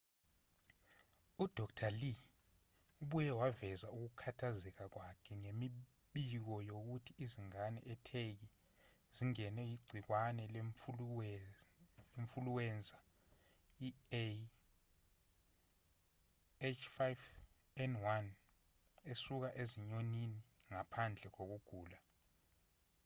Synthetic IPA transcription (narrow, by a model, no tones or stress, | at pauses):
ud̥ʱɔktʰali | uɓujɛwavɛzauk̬ukʰatʰazɛk̬ak̬wakʰɛŋemi | ɓik̬ɔjok̬utʰiiziŋanɛ̰ʔɛtʰek̬i | z̥iŋɛnɛjiɡ͡ǀʱik̬wanɛl | eɱfuluwɛːnd͡zʱa | ie | et͡ʃʰfajv | ɛnwan | esuk̬aʔeziɲoniniŋapʰand͡ɮʱɛk̬ok̬uɡ̥ʱuːla